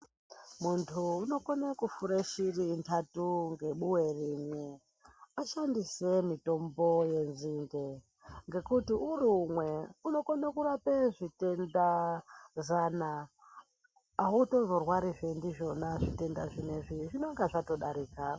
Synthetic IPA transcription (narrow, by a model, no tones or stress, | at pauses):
muntʰuːno̞konekufuɾeʃirintʰatuŋɡe̞ɓuwe̞rimwe | aʃandisemito̞mbo̞je̞nziːŋɡe | ŋɡe̞kutiurumweuno̞konakurapeʐite̞nda | zana | uto̞zo̞rwaɾiʐendiʐo̞naʐite̞ndaʐineʐiʐinoŋɡaʐato̞ɗaɾiːka